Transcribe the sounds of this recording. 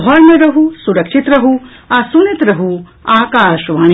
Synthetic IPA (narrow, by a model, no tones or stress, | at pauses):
ɔɾmeɾɐɦusuɾɐkʃit̪ɾɐɦu | asunit̪ɾɐɦu | aːkaːʃʋaːɳ